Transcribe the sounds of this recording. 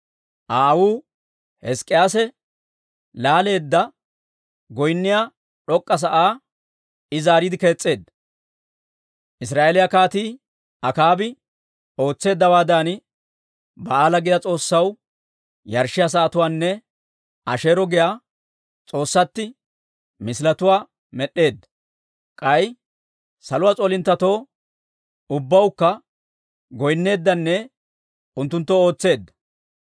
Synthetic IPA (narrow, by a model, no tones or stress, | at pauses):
ʔaːwuː | hɛskʼːɪjaːsɛ | laːle̞ːd̪ːɐ | ɡɔjnːɪja | ᶑɔkʼːɐs̬ɐʔaː | ɪzaːɾid̪ɪke̞ːt͡sʼːe̞ːd̪ | ʔɪsɾaːʔelɪjɐkaːt̪iː | ʔɐkaːbɪ | o̞ːt͡sːe̞ːd̪ːɐwaːd̪aːn | bɐaːlɐɡɪd̪ɐt͡sʼo̞ːsːɐw | jɐɾʃɪjas̬aːt̪ʊwaːnːɛ | ʔɐʃe̞ːɾɔɡɪja | t͡sʼo̞ːsːɐt̪ːɪ | mɪsɪlɐt̪ʊwaː | mɛɗːe̞ːd̪ːɐ | kʼɐj | sɐlʊwaːt͡sʼoːlɪnt̪ːɐt̪o̞ː | ʊbːɐwkːɐ | ɡɔjnːe̞ːd̪ːɐnːɛ | ʊnt̪ːʊnt̪ːɔo̞ːt͡sːe̞ːd̪ːɐ̥